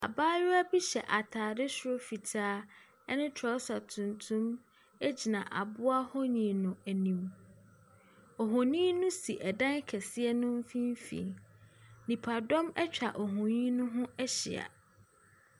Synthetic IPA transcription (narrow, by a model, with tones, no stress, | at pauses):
a̰˨baː˦jʊ˦æ˦bi˦ɕɛ˨ʔa˨tʰaː˨dɪ˦sɾo˦fi˨tʰaː˦ | ɛ˦nɪ̃˦tʰɔ˨˦sa˨tʰũ˨ntʰũ˦m | ɛ˦d͡ʑi˨nã˨ʔa˨bʊ˦a˦hɔ˦ɲĩ˨nʊ̃˨æ˨nĩ˨m | ɔ˨ɦɔ̃˨nĩ˦nʊ̃˦si˨ʔɛ˨dã˦n˦kʰɛ˨sɪ˦ɛ˦nʊ̃˦m̩˦fĩ˦m˦fḭ̃˨ | nĩ˨pʰa˨dɔ̃˦mɛ˦t͡ɕᶣa˨ʔɔ˨ɦɔ̃˨ɲĩ˦nʊ̃˦ɦʊ̃˦ɛ˦ɕɪ̰˨a̰˨